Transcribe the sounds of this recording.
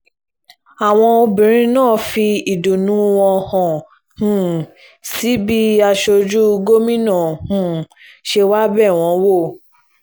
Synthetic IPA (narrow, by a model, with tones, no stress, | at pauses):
a˨w̃ɔ̃˧o˧bĩ˨ɾ̃ĩ˧˦nãː˦˨fi˧i˨du˨nũ˨˦wɔ̃˧hɔ̃˨ | hũ˨ | si˨˦bi˦a˧ʃo˧d͡ʒu˦˧ɡo˦mĩ˦nã˦˨hũ˨ | ʃe˧wa˦bɛ˦˨w̃ɔ̃˧˦wo˦˨